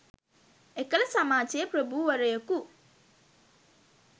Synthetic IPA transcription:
ekɐlɐsamaːt͡ʃejpɾɐbuʋɐɾɐjɐku

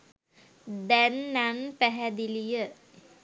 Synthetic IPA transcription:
d̪ænːanpæɦæd̪ilijə

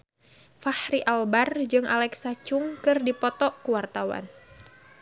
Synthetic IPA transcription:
fahɾiʔalbard͡ʒɨŋʔa̰lɛksat͡ʃʊŋkɨrdipɔt̪ɔkuwart̪awa̰n

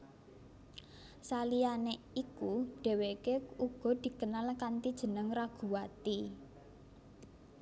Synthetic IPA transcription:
salijane | ikuɖ̥e̤wekeuɡ̥ɔ̤d̪̥i̤kənalkant̪id̥ʒ̥ə̤nəŋraɡ̥ṳwat̪i

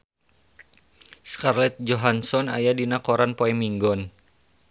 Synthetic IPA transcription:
skarlɛt̪̚d͡ʒɔɦansɔna̰jadinakɔɾanpoɛmiŋɡɔn

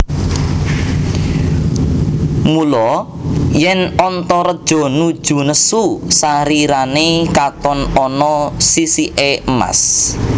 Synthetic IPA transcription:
mulɔ | jɛnɔnt̪ɔɾəd̥ʒ̥ɔ̤nud̥ʒ̥ṳnəsusaɾiɾanekat̪ɔnɔnɔsisiʔeəma̰s

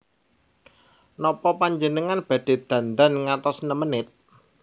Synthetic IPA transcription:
nɔpɔpaɲd͡ʒənəŋanb̥ä̤d̪̥e̤d̪̥ä̤nd̪anŋat̪ɔsnəmənɪt̪̚

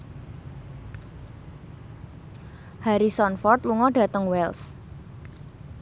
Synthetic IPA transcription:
haɾisɔnfɔrt̪luŋɔɖ̥a̤t̪əŋwɛls

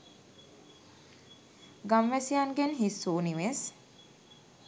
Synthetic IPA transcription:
ɡamʋæsianɡenɦisːuːniʋes

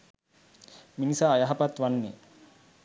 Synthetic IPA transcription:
minisaːjaɦapat̪ʋanːḛ

